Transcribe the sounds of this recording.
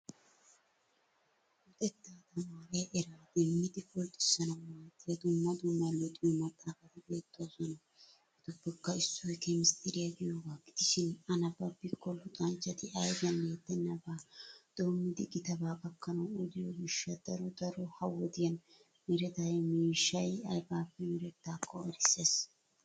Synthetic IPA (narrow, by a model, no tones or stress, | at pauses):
ʊt̪ʼɛt̪ːaːt̪ɐmaːɾɛjʔɛɾaːd̪ɛmːɪd̪ɪfɔlt̪ʼːɪ̥sːɐnɐwmaːt̪ʼːɪjɐd̪ʊmːɐd̪ʊmːɐjlɔt̪ʼɪjɔmɐt̪ʼːaːfɐt̪ɪbeːt̪ːʊazɔnɐ | ɪt̪ʊbːɛkːɐɪsːɔjkɛmɪst̪ʰʼɪɾɪjɐɡɪjoːɡaːkʼɪ̥t̪ɪʃɪnɐnɐbɐpːɪkːɔlːʊt̪ʼɐnt͡ʃːɐt̪ɪɐjbɪjɐnleːt̪ːɛnːɐbaːd̪̥oːmːɪd̪ɪɡɪt̪ɐbaːkʼɐkːɐnɐwɔd̪ɪjɔɡɪʃːɐd̪̥ɐɾɔd̪ɐɾɔhɐwɔd̪ɪjɐn | mɪɾɛt̪ɐjɛmiːʃːɐjɐjbaːfːɛmɪɾɛt̪ːaːkʰːɔɐɾɪsːes